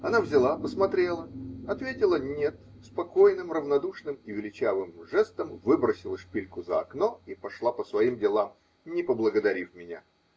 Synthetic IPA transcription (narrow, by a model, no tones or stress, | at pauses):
ɐnavzʲɪlˠapəsmɐt̪ɾʲelˠəɐt̪vʲetʲɪlˠənʲe̞t̪ | spɐkojnɨmrəvnɐd̪uʂnɨmivʲɪlʲɪt͡ɕavɨmʐɛst̪əmvɨbɾəsʲɪlˠəʂpʲilʲkʊzəɐ̰knoipɐʂlˠapəsvɐimdʲɪlˠam | nʲɪpəblˠəɡəd̪ɐɾʲifmʲɪnʲa̰